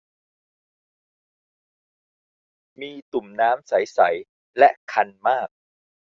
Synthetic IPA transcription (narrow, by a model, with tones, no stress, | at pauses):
miː˧t̪u˨˩mnaː˦˥msa˩˦jsa˩˦j | lɛ˦˥kʰa˧nmaː˥˩k̚